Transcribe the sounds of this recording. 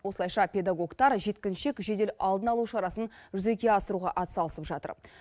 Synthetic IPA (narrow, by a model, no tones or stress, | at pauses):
wo̞slˠɑjʃɑpʲe̞d̪aɡo̞ɡt̪ɑɾʒe̞t̪kʲɪnʃe̞kʒe̞d̪e̞lʔɑlˠd̪ənɑlˠuʃɑɾɑsənʒʏze̞kʲe̞ɑsəɾuʁɑʔɑt̪sɑlˠəsəpʒɑt̪ə̰ɾ